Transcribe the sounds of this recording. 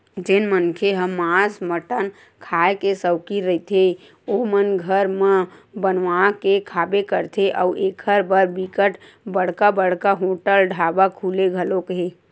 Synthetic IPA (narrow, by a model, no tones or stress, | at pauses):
d͡ʒenmənkʰeɦəmːasməʈən | kʰaekesəʊkiɾəit̪ʰe | omənɡʱəɾmə̃bənʋakekʰabekəɾt̪ʰeʔɔʊʔeːkʰəɾbəɾbikəʈ | bəɽ̤kabəɽ̤kaɦoʈəlɖʱabakʰuːleɡʱəlokɦe